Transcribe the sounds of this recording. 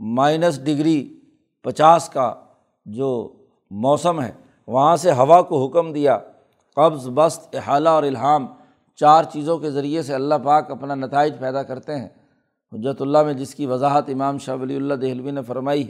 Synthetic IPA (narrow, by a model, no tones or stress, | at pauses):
maːɪnəs̬ɖɪɡɾi | pɐt͡ʃaːska̰ | d͡ʒoː | mɔːsəmɦɛ̰ː | ʋɐɦãseɦɐʋakoɦʊkmd̪ija | qɐbzbɐst̪ɪɦaːlaɔːɾɪlɦaːm | t͡ʃaːɾt͡ʃiːzõkezɐɾieseɐlːaɦpaːkɐpnanɐt̪aːɪd͡ʒpɛːd̪akɐɾt̪eɦɛ̃ː | ɦʊd͡ʒːət̪ʊlːamẽd͡ʒɪskiʋɐzaːɦət̪ɪmaːmʃɐʋɐliʊlːad̪eɦlʋinefɐɾmaːi